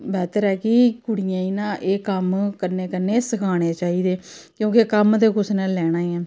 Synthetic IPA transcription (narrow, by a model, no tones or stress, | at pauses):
bɛːt̪əɾɛːkikʊɽɪjãːiːnãːʔeːkəmkəɾneːkəɾneːsəkʰaːɽ̃eːt͡ʃaːiːd̪eːkjõːkekəmd̪eːkʊsnãːlɛːɽ̃ãːiɛ̃ː